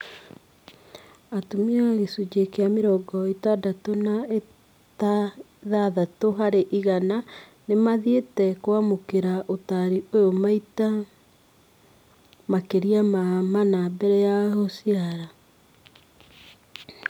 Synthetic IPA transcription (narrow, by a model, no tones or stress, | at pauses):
atumiaɣesud͡ʒekeameɾɔɡɔitadatonae | ta | ðaðatoɦaɾeʔiɣana | nemaðietɛkwamokeɾaʔotaɾiojomaita | makeɾiamamanabɛɾɛjahosiaɾa